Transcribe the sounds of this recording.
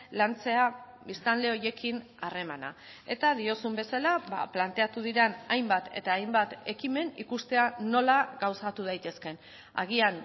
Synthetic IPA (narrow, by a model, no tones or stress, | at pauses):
lant͡se̞a | βist̪anle̞o̞je̞kin | are̞mana̰ | e̞t̪aðio̞sumbe̞salaβa̰plant̪e̞at̪uð̞iɾenajmbat̪e̞̰t̪aːjmbat̪e̞kime̞nikust̪e̞ano̞laɣawsat̪uð̞ajt̪e̞ske̞n | a̰ɣ̞ian